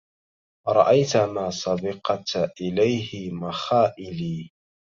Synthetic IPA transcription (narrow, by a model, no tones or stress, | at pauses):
ɾˤɑ̰ʔajt̪amaːsˤɑbɑqt̪ʔɪlajhɪmaxaːʔɪliː